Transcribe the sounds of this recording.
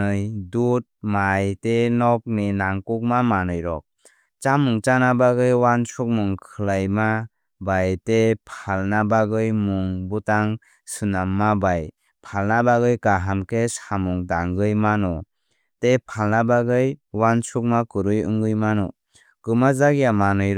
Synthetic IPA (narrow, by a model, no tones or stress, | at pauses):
ɯjdut̚majtenɔk̚ninaŋkuk̚mamanɯjɾɔ̰k̚ | t͡ʃamuŋt͡ʃanabaɡɯjwansuk̚muŋkʰɯlajma | bajtepʰalnabaɡɯjmuŋbutaŋ | sɯnamːabaj | pʰalnabaɡɯjkaɦamkʰesamuŋdaŋɡɯjmanɔ | tepʰalnabaɡɯjwansʰuk̚makɯɾɯjɯ̰ŋɡɯjmanɔ̰ | kɯmazaɡijamanɯjɾ